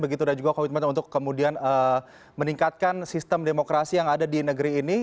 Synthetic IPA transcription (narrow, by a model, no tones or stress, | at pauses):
bəɡit̪udad͡ʒuɡakowɪt̪mat̪unt̪ʊkːəmudianə | məniŋkat̪̚kansist̪əmdemokɾasijaŋadadinəɡəɾiːni